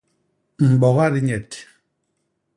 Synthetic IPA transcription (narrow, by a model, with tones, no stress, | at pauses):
m̩˨ɓɔ˨ɣa˦ɾi˦ɲɛ˨t